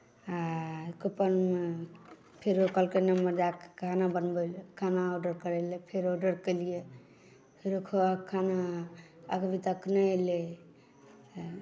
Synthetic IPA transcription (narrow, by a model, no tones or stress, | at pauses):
akopən | pʰeɾokəlkenəmːəɾd͡ʒakkʰanabənbelekʰanaoɖəɾkəɾelepʰeɾoɖəɾkəlije | pʰeɾokʰokʰanaː | ɡbit̪əknəele